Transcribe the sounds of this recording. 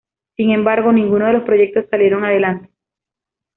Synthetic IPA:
siŋe̞mbaɾɣo̞nĩŋɡuno̞ð̞e̞lospɾo̞ʝe̞k̚t̪o̞sːalje̞ɾo̞ŋaðe̞lant̪e̥

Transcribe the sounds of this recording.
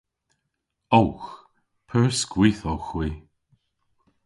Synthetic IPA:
owx | pʰəɹskwiːθowxwiː

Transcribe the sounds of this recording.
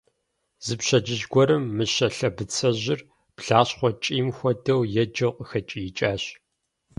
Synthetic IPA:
z̥ɨpɕɐd͡ʒɪʑɡʷɔɾɨmːɨɕɐɬɐbɨt͡sʰɐʑɪr | pɬaːɕχʷɔt͡ʃʼiːmxʷɔdɐwjɛd͡ʒɐwqʼəxɐt͡ʃʼijɪt͡ʃʼaːɕ

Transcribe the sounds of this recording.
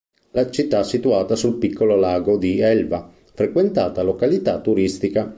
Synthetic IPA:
lat͡ʃit̪ːasit̪uaːt̪asulpikʰːololaːɡod̪iɛlva | fɾekwent̪aːt̪alokalit̪at̪ːuɾist̪ika

